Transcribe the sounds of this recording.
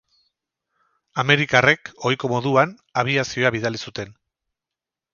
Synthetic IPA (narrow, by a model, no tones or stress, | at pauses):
ame̞ɾikare̞ko̞jko̞mo̞ðuan | aβ̞iasio̞aβiðalisut̪e̞n